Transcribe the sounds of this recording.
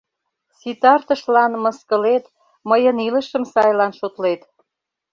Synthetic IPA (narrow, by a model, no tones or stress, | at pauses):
sit̪ɑrt̪əʃlɑnməskəlet̪ | məjənilə̆ʃəmsɑjlɑnʃot̪let̪